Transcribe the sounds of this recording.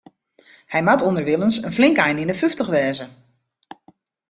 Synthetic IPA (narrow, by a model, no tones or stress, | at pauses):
hɛjmatondəɹʋɪlˠənsənflɪŋkajnɪnəføftəχʋɛːzə